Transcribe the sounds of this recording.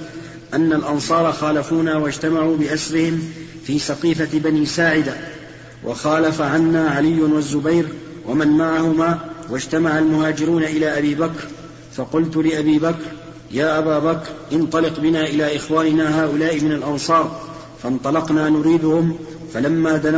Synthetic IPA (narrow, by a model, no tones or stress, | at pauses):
ʔanːalʔɑnsˤɑːɾˤɑxaːlafuːnaːwad͡ʒt̪amaʕuːbɪʔasɾɪhɪm | fiːsɑqiːfabaniːsaːʕɪd̪a | wʔɑ̰xɑːlafaʕanːaːʕalɪjːʊnwazːʊbajɾ | wamanmaʕahʊmaːwad͡ʒt̪amaʕalmʊhaːd͡ʒɪɾuːnaʔɪlaːʔabiːbakɾ | fɑqʊlt̪ʊlɪʔabiːbakɾ | jaːʔabaːbakɾʔɪnt̪ˤɑlɪqbɪnaːʔɪlaːʔɪxwaːnɪnaːɦaːʔʊlaːʔɪmɪnalʔɑnsˤɑːɾˤ | fɑnt̪ˤɑlɑqnaːnʊɾiːd̪ʊhʊm | falamːaːd̪a